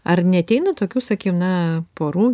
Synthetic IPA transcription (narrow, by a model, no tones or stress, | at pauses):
ɐrnʲɛɐt̪ʲɛɪnɐt̪oːkʲuːsɐkʲiɛnɐpoːɾuː